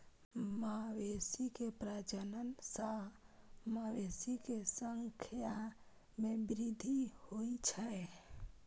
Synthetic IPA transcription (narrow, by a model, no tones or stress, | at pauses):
mawesikepɾad͡ʒənənsə | mawesikesəŋkʰja | mebɾid̪ʱihojt͡ʃʰə